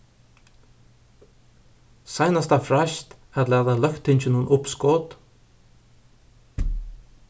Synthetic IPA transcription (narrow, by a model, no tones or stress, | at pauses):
sajnast̪afɾaʃt̪ | ɛt̪lɛad̪alœkt̪ʰːɪnt͡ʃɪnuːənʔʊpskoːt̪